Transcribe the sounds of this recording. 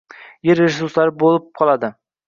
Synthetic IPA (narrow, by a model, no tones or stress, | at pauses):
jeɾeʒɪsuslˠaɾbolˠɪp̚qʰɒlˠad̪ɪ